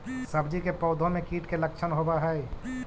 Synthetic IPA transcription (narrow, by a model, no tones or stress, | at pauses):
sɐbd͡ʒikepɔːd̪ʱõmẽkiːʈkelək̚t͡ʃʰənɦobaɦɛe